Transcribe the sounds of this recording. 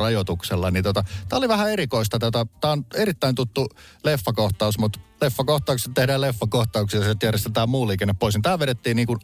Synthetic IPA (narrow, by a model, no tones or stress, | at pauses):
ɑjot̪ukselːɑnit̪ot̪ɑt̪æːoliʋæhæeɾikoist̪ɑt̪æt̪æt̪æːoneɾit̪ːæint̪ut̪ːulefːækoht̪ɑˑusmut̪lefːɑkoht̪ˑɑˑukse̥t̪t̪ehdæːlefːækoht̪ɑuksiset̪jærjest̪et̪æːmmuːlːiːkenːeppoisnit̪æːʋeɾet̪ːiːnniːŋkun